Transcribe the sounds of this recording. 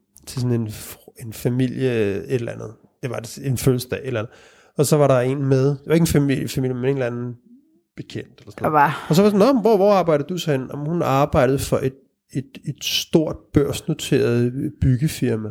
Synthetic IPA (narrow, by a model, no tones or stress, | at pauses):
t͡sʰe̝sɔ̽ne̝ne̝nfæmil̰jəe̝d̥lænð̞̩ˠ | d̥e̝ʋɑ̈senføːl̩səd̥ɛ̰ːe̝dlænð̩ˠ | ɒ̽sɒ̽ʋɑ̈ɾɑ̈e̝nmeðˠd̥eʋɑe̝ɡ̥n̩fæmil̰jəfæmil̰jəmene̝ːnlænn̩ˠ | b̥e̝kʰen̰d̥elɐsɔnnːɒs̬ɒʋɑdisɔnɒmm̩ʋɒʋɒɑ̈ːbɑ̈ɪ̰d̥ð̩ˠdusɒhenɒmhunɑ̈ːb̥ɑ̈ɪ̰d̥ð̩ˠfɒ̽ʔe̝d̥ | e̝d̥ed̥sd̥o̝ɐ̰d̥̚b̥ɶɐ̰sno̝t͡sʰe̝̰ːɐðˠb̥yɡ̥əfiɐmæ